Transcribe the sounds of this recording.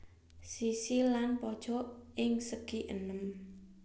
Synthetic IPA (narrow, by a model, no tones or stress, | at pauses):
sisilanpɔd̥ʒ̥ɔ̤ɪŋsəɡ̥iʔə̰nəm